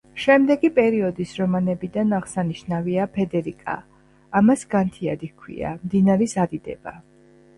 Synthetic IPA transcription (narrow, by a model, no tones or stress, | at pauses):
ʃɛmd̪ɛɡipʼɛɾiɔd̪isɾɔmanɛbid̪anaʁsaniʃnaviapʰɛd̪ɛɾikʼa̰ː | masɡant̪ʰiad̪ikʰwḭa̰md̪inaɾisad̪id̪ɛ̰ba